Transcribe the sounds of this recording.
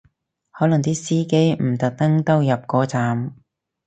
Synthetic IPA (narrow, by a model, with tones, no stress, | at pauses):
hɔː˨˥lɐ˨˩ŋt̪iː˥siː˥ke˥jm̩˨˩t̪ɐ˨k̚t̪ɐ˥ŋt̪ɐ˥wjɐ˨p̚kɔː˨˥t͡saː˨˧m